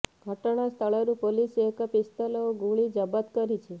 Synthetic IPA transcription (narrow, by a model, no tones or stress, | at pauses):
ɡʱəʈɳ̃ast̪ʰəɭaɾũpoliseekəpɪst̪alɔoɡũɭid͡ʒəbət̪kəɾit͡ʃʰe